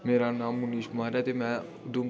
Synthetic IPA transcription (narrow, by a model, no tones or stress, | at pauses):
meːɾaːnaːmːʊniːʃmaːɾaːt̪eːmɛ̃ː | ʊd̪ũː